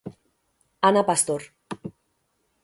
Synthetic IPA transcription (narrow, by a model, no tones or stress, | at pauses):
anapast̪oɾ